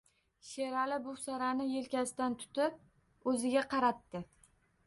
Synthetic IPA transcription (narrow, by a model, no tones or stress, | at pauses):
ʃeɾalɪbʊsaɾanɪje̞lkʲasɪd̪ant̪ʰʊ̥t̪ɪp̚ | ɵzɪɡʲaqʰɑɾat̪ːɪ